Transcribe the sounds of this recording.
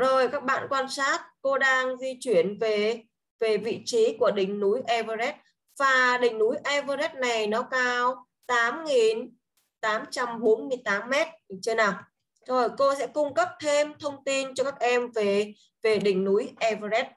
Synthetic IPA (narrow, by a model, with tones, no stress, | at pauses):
zo˨˩jkaː˦˥k̚ɓa̰ː˧˨nkwaː˧nsaː˦˥t̚ko˧ɗaː˧ŋzi˧t͡ɕwi˧˩ənve˨˩ | ve˨˩vḭ˧˨t͡ɕi˨˦ku˧˩əɗï˨˩ŋ̟nu˨˦jʔɛ˧və˧zɛ˦˥t̚ | vaː˨˩ɗï˨˩ŋ̟nu˨˦jʔɛ˧vəː˧zɛ˦˥t̚na˨˩jnɔ˨˦kaː˧w | t̪aː˨˦mŋi˨˩n | t̪aː˨˦mt͡ɕa˧mɓo˨˦nmɨ˧əjt̪aː˨˦mːɛ˦˥t̚t͡ɕə˧naː˨˩w | zo˨˩jko˧sɛ̰˧˥kʊ˧ŋ͡mkə˦˥p̚t̪ʰe˧mt̪ʰə˧wŋ͡mt̪i˧nt͡ɕɔ˧kaː˦˥k̚ʔɛ˧mve˨˩ | ve˨˩ɗï˨˩ŋ̟nu˨˦jʔɛ˧və˧zɛ˦˥t̚